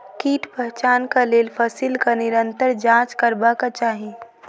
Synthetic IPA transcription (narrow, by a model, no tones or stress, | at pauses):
kiːʈpɛɦt͡ʃaːnkaleːlpʰəsiːlkanɪɾə̃nt̪əɾd͡ʒãːt͡ʃkəɾbakat͡ʃaːɦĩ